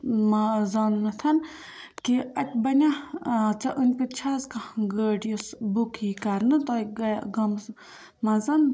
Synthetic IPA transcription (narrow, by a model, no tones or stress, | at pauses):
mazaːnmɐt̪ʰɐn | kiɐt̪ʲbɐnʲat͡sɐʔunʲpit̪t͡ʃʰaːzkaɡəːɖjusbukʰikɐɾnɨt̪oːɡɐɡɐms | mɐzɐn